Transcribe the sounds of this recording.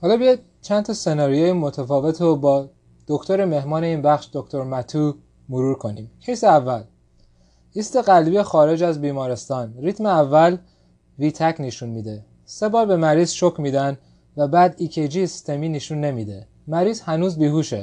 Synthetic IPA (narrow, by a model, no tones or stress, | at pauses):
hɒːlɒːbejɒjd̪̥̚ | t͡ʃʰænt̪ʰɒse̞nɒːɾijejimot̪ʰæfɒːve̞t̪ʰɾobɒː | d̪̥o̞kt̪ʰo̞ɾe̞me̞hmɒːne̞iːnbæxʃd̪okt̪ʰo̞ɾmæt̪ʰuː | moɾuːɾkʰo̞niːmhʰeseævːæl | iːst̪e̞ɣælbijexɒːɾe̞d͡ʒæzbiːmɒːɾe̞st̪ɒːnriːt̪ʰmeævːæl | viːt̪ʰæcʰneʃunmiːd̪e | se̞bɒːɾbe̞mæɾiːzʃokʰmiːd̪æn | væbæːd̪iːcʰed͡ʒisi̥st̪ʰemiːneʃunːe̞miːd̪e̞ | mæɾiːzhænuːzbiːɦuːʃḛ